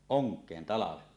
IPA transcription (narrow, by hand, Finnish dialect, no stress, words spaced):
oŋkˑeːn tɑlɑʋelːɑ